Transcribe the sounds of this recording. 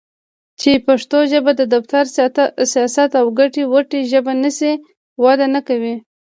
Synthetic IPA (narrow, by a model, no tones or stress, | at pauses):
t͡ʃepaʂt̪oʒəbad̪əd̪aft̪aɾsijɑsat̪awɡaʈiwaʈeʒəbanəsi | wɑd̪anakawi